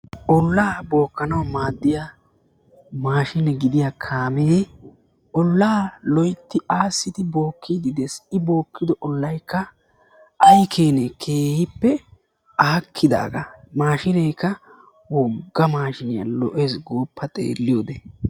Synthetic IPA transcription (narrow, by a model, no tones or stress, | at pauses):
ʔɔlːaːbo̞ːkːɐnɐwmaːd̪ːɪja | maːʃɪnɛɡɪd̪ɪjakʰaːme | ɔlːaːlɔjt̪ːɪʔaːsːɪt̪ɪbo̞ːkʰːid̪ɪd̪ɛsɪbo̞ːkːɪd̪ɔʔɔlːɐjkːɐ | ʔɐjkʰeːnɛkʰeːhɪpːɛ | aːkʰːɪd̪a̰ːɡɐ̰maːʃɪnɛjkːɐ | wɔɡːɐmaːʃɪnɪjɐ̰lɔ̰ʔeːsɡoːpʰːɐt̪ʼḛːlːɪjoːd̪e